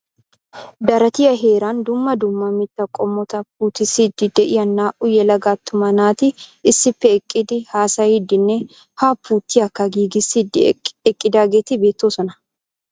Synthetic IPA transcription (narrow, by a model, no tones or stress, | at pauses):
d̪ɐɾɐt̪ɪjɐɦe̞ːɾaːnd̪ʊmːɐd̪ʊmːɐmɪt̪ːɐkʼɔmːɔt̪ɐpuːt̪ɪsid̪ɪd̪ɛʔɪjɐnːaːʔʊjɛlɐɡaːt̪ːʊmɐnaːt̪ɪɪsːɪpːɛɛkʼːɪd̪ɪhaːsɐjid̪ɪnːɛ | haːpːuːt̪ːɪɐkːɐɡiːɡɪsid̪ɛkʼːɪd̪aːɡeːt̪ɪbeːt̪ːoːsɔnɐ